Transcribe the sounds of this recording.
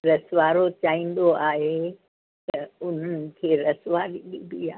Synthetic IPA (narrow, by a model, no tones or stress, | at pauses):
ɾɐsʋaːɾot͡ɕaːɦĩːn̆d̪oaːɦe | t̪ɐʊn̤ənɪ̆kʰeːɾɐsʋaːɾibibiːaː